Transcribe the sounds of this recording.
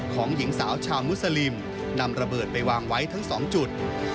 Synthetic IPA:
kʰɔː˩˦ŋji˩˦ŋsaː˩˦wt͡ɕʰaː˧wmu˦˥t̚sa˧li˧m | na˧mɾa˧bɤː˨˩t̪̚pa˧jwaː˧ŋwa˦˥jt̪ʰa˦˥ŋsɔː˩˦ŋt͡ɕu˨˩t̪̚

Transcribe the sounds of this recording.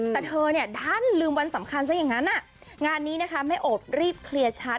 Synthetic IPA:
t̪ɛ˨˩t̪ʰɤː˧ni˥˩ɐdaː˥˩nlɯː˧mwa˧nsa˩˦mkʰa˧nsa˦˥jaː˨˩ŋa˦˥nʔa˥˩ | ŋaː˧nːiː˦˥na˦˥kʰa˦˥ma˥˩jʔoː˨˩t̚ɾiː˥˩p̚kʰli˧ɐt͡ɕʰa˦˥t̪̚

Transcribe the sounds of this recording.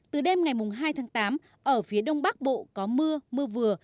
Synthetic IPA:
t̪ɨ˨˩ɗe˧mŋa˨˩jmʊ˨˩ŋ͡mɦaː˧jt̪ʰaː˨˦ŋt̪aː˨˦m | ʔəː˧˩fi˨˦əɗə˧wŋ͡mɓa˦˥k̚ɓo̰˧˨kɔ˨˦mɨ˧əmɨ˧əvɨ˨˩ə

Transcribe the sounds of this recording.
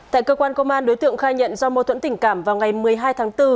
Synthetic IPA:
t̪a̰ː˧˨kəː˧kwaː˧nkə˧wŋ͡mʔaː˧nɗo˨˦jt̪ɨ̰˧˨əŋxaː˧jɲə̰˧˨nzɔ˧mo˧t̪ʰwə̰˧˥nt̪ï˧˩ŋ̟kaː˧˩mvaː˨˩wŋa˨˩jmɨ˨˩əjɦaː˧jt̪ʰaː˨˦ŋt̪ɨ˧

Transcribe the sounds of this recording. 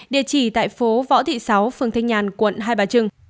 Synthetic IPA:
ɗḭ˧˨ət͡ɕi˧˩t̪a̰ː˧˨jfo˨˦vɔ̰˧˥t̪ʰḭ˧˨sa˨˦wfɨ˨əŋt̪ʰə˧ŋɲaː˨˩nkwə̰˧˨nɦaː˧jɓaː˨˩t͡ɕɨ˧ŋ

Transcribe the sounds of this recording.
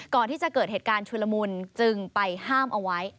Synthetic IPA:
kɔː˨˩nt̪ʰiː˥˩t͡ɕa˨˩ʔkɤː˨˩heː˨˩kaː˧nt͡ɕʰu˧la˧mu˧nt͡ɕɯ˧ŋpa˧jhaː˥˩mʔa˧wa˦˥j

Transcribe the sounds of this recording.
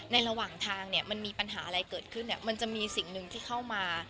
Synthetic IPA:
na˧jɾa˧waː˨˩ŋt̪ʰaː˧ŋni˥˩ɐma˧nmiː˧pa˧nɦa̰ː˩˦ʔa˧ɾa˧jkɤː˨˩t̪̚kʰɯ˥˩nːi˨˩ma˧nt͡ɕa˨˩ʔmiː˧si˨˩˦ŋnɯ˨˧ŋt̪ʰiː˥˩kʰa˥˩wmaː˧

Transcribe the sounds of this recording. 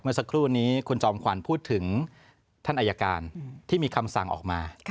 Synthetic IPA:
mɯ˥˩ɐsa˧kʰɾuː˥˩niː˦˥kʰu˧nt͡ɕɔː˧mkʰwa˩˦npʰuː˥˩t̪ʰːɯ˩˦ŋ | t̪ʰa˥˩ʔa˧ja˧ka̰ː˧nt̪ʰiː˥˩miː˧kʰa˧msa̰˨˩ŋʔɔ̰ː˨˩k̚maː˧

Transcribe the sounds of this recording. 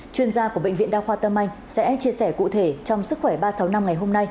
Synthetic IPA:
t͡ɕwi˧ənzaː˧ku˧˩əɓḛ˧˨jŋvḭ˧˨ənɗaː˧xwaː˧t̪ə˧mʔa˧jŋ̟sɛ̰˧˥t͡ɕi˧əsɛ˧˩kṵ˧˨t̪ʰe˧˩t͡ɕɔ˧wŋ͡msɨ˦˥k̚xwɛ˧˩ɓaː˧sa˨˦wna˧mŋa˨˩jɦo˧mna˧j

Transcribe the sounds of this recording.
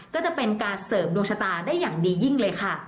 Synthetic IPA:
kɔː˥˩t͡ɕa˨˩pe˧nkaː˧nsɤː˨˩˦mdoː˧ŋt͡ɕʰa˧t̪aː˧daː˥˩jːaː˨˩ŋdiː˧ji˥˩ŋlɤː˧jkʰa˥˩

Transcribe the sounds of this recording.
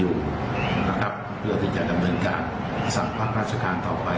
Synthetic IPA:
juː˨˩ | na˦˥kʰa˦˥p̚pʰɯ˥˩ɐt̪ʰiː˥˩t͡ɕa˨˩da˧mnɤː˧nkaː˧n | sa˨˩˦ŋpʰa˦˥k̚ɾaː˦˥t̪̚t͡ɕʰa˧kaː˧nt̪ɔː˨˩pa˧

